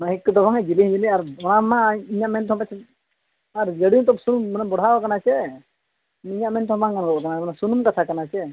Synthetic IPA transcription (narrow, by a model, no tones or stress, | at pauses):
maɦikːd̪ɔbaŋad͡ʒiliɦd͡ʒiliaɾɔɽ̃amaiɲaʔmɛnt̪ʰɔ̃pat͡ʃʰɛ | aɾd͡ʒəɽĩt̪ɔpsunumnabɔɽ̤abakanat͡ʃʰɛ | iɲaʔmɛnt̪ʰɔ̃baŋkanɡɔkanamanasunumkat̪ʰakanat͡ʃʰɛ